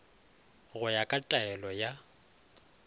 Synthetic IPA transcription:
ɣʊjakʼatʼaɛlɔja

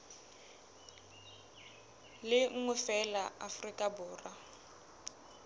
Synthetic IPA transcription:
lɪŋ̩ŋʊfɛlaʔafrikʼabʊːra

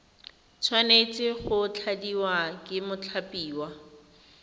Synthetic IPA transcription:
t͡sʰwanet͡sʼɪχʊt͡ɬʰadiwakʼɪmʊt͡ɬʰapʼiːwa

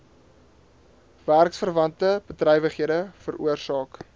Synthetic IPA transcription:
værksfərvɐntəb̥ətrɛjvəχɦiədəfəruərsɑːk

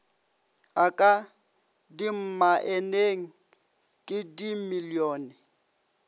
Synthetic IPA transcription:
akʼa | dim̩maʔɛneŋ̩ | kʼɪdimilioːnɛ

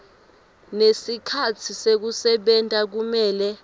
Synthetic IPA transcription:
nesikʰatʰisek̬usɛɓɛntʼak̬umɛːlɛ

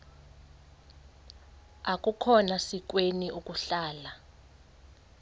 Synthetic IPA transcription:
akʼukʰɔnasik̬weniukʼuɬaːla

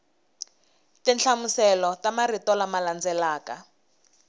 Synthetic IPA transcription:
tɛnt͡ɬʰamusɛlɔtamaritɔlamaland͡zɛlaːka

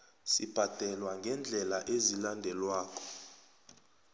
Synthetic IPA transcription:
sib̥ʱad̥ʱɛlwaŋɡʱɛnd͡ɮʱɛlaʔezilandʱɛlwaːkʰʼɔ̥

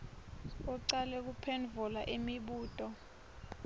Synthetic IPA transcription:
ɔǀalɛk̬upʰɛnvʱulaʔimiɓuːtʼɔ

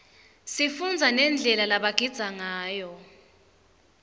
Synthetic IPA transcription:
sifund͡zʱanɛnd͡ɮʱɛlalaɓaɡ̥ʱid̥z̥ʱaŋaːjɔ

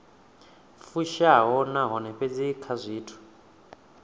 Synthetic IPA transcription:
fuʃaɦɔnaɦɔnɛɸed͡zikʰazʷiːtʰu̥

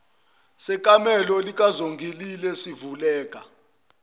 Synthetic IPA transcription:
sɛkʼamɛlɔlik̬ʼazoŋɡʱililɛsivulɛːkʼa

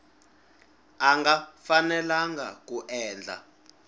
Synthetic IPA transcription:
aŋɡafanɛlaŋɡa̰kuʔɛːnd͡ɮʱa̰

